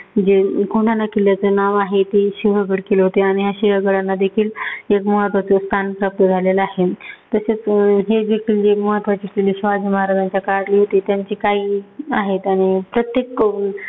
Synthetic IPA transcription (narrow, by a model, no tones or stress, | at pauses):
d͡ʑekoɳʈanːakiljat͡sənaʋaɦet̪iɕiʋ̤əbəɽkeleɦot̪eaɽ̃iɦjaɕiɦaɡəɽanːad̪ekʰiːlekməɦət̪ʋat͡sest̪ʰanpɾəp̚t̪əd͡zʱalelaɦet̪əset͡sɦed͡zekʰiːld͡ʑeməɦət̪ʋat͡ɕikiliːɕʋad̪iməɦaɾad͡zaɲt͡ɕjakaɽliɦot̪it̪jaɲt͡ɕikaiːaɦet̪aɽ̃ipɾət̪jekː